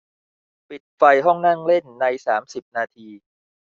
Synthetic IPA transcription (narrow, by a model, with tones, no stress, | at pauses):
pi˨˩t̪̚fa˧jɦɔ˥˩ŋna˥˩ŋle˥˩nːa˧jsaː˩˦msi˨˩p̚naː˧t̪ʰiː˧